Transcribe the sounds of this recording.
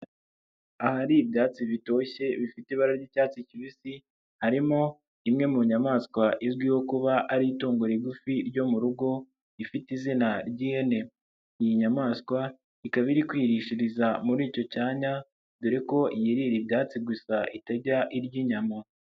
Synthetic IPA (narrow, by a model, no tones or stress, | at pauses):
ahaɾibjaːt͡siβito̞çe̞βifiteβaɾaɾɟicaːt͡siciβisi | haɾimo̞ | imŋe̞muɲamaːskwaʔizɡwiho̞kuβaʔaɾiitoːŋɡuɾeɡufiɾɟo̞muɾuɡo̞ | ifitizinaɾɟiːhe̞ne̞ | ijiɲamaːskwa | ikaβiɾikwiɾiʃiɾizamuɾiːco̞caːɲa | duɾeko̞ʔijiɾiɾibjaːt͡siɡusaʔitaɟaʔiɾɟiːɲamo